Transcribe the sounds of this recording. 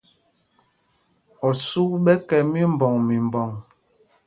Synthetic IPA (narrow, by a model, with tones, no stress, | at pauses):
ɔ˨su˦ɓɛ˦kɛ˨mi˦m̩˨bɔ˨ŋmi˨m˨bɔ˨ŋ